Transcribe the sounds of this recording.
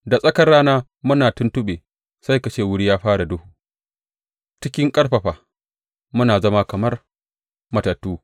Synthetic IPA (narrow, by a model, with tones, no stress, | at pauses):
da˨sʼɐ˦kɐ˦raː˦naː˦ | mʊ˦naː˨tʊ˦ntʊ˦ɓeː˨ | sa˦jkɐ˨t͡ʃeː˦˨wʊ˦ɽi˦jaː˦ɸaː˦ɽa˨dʊ˦hu˨ | t͡ʃɪ˦kʲɪ˦ŋkʼɐ˦ɽɸɐ˨ɸaː˨ | mʊ˦naː˨zɐ˦ma˦kɐ˨mɐ˦r | mɐ˨tɐ˨tːuː˦